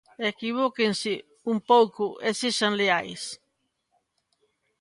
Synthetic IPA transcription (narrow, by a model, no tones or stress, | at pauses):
ekiβ̞okensɪ | umpowkʊʔeseʃaŋleajs